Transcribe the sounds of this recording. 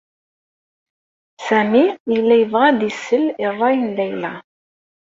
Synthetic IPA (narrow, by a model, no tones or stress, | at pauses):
sæmiilːæjəvʁɑd̪əsəlirˤːɑjənlæjlæ